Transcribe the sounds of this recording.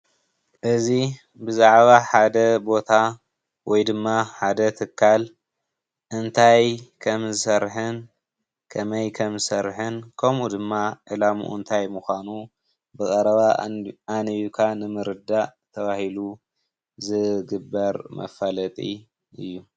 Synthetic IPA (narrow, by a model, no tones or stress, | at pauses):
ʔɨzi | bɨzaʕβaħad̪ɐbo̞t̪ʰa | wɔjd̪ɨmːaħad̪ɐt̪ʰɨkʰːal | ʔɨnt̪ʰajkʰɐmzɨsɐɾħɨn | kʰɐmɐjkʰɐmzɨsɐɾħɨnkʰɐmud̪ɨmːaʔɨlamṵʔṵnt̪ʰajmuxʷanu | bɨkʼɐɾɐβaanɨjukʰanɨmɨɾɨd̪at̪ʰɐβahilu | zɨɡɨbːɐɾmɐ̰falɐt̪ʼi | ʔɨ̰jːu